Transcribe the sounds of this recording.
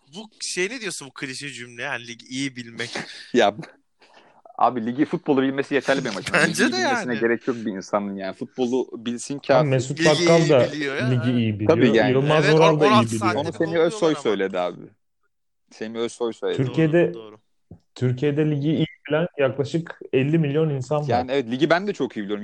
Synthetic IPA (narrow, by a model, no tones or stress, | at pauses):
buʃejined̪ijosunbukʰɯɾiʃid͡ʒymlʲejænlʲiɟiijibilʲmɛcja | a̰ːbilʲiɟifut̪̚bo̞lˠubilʲmesijet̪ʰæɾlʲimɛmaʃmaiiiilʲmesinɛɟe̞ɾɛcʰjo̞k̚biːnsanɯnjaːnifut̪̚bo̞lˠubilʲsincʰaːmesut̪̚p̪at̪kalˠd̪alʲiɟiijibilʰaijoiːjaːnɯlˠmazo̞ɾalˠd̪aijibilijoonusemiøsojsø̞jlʲe̞d̪ia̰ːbɪ̰ | seniøzsojsøjlteyɾʰijed̪ɛ | t̪ʰyɾcʰijed̪ɛlʲiɟiːjibilʲænjaklˠaʃɯkɛlʲːimilʲjo̞ninsanvjaːnɛvɛt̪lʲiɟibænd̪ɛt͡ʃʰo̞kijibilʲijoɾum